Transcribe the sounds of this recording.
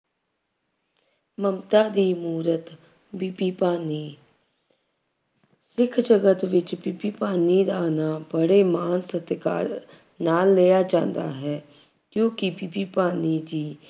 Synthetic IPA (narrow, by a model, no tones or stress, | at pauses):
məmt̪aːd̪iːmuːɾət̪ | bipiːpaːniː | sɪkʰd͡ʒəɡət̪ʋɪt͡ʃbipiːpaːniːd̪aːnaːbəɽemaːnsət̪ka̰ːɾ | naːlːeːjaːd͡ʒã̰ːnd̪a̰ːɦɛː | kjõːkibipiːpaːniːd͡ʒiː